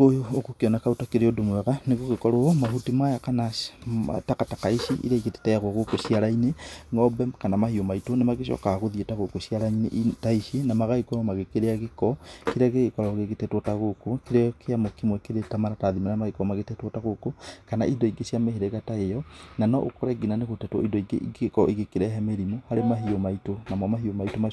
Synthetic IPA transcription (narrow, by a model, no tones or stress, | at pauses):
ojookokeɔnɛkaotakeɾeodomwɛɣaneɣoɣekɔɾoomaɦutimajakanaa̰takatakaiʃiʔḭɾaiɣete̥tɛjaɣwoɣokoʃiaɾaineŋɔbɛmkanamahiomaitonemaɣeʃɔ̰kaɣoðietaɣokoʃiaɾaintaiʃinamaɣaikɔmamaɣekeɾeaɣekɔkeɾaɣeɣekɔɾɔɣeɣetɛtwɔtaɣokokeɾɛɔkʰeamokimwɛkeɾetamaɾataðimanamaɣekɔmaɣetɛtwɔtaɣokokana̰indɔiɡesiameheɾeɣataejɔnanɔʔo̰kɔɾɛɡinaneɣotɛtwɔindɔiɡeekɔʔiɣekeɾɛɦɛmeɾimohaɾemaɦiomaitonamwɔmaɦiomaitoma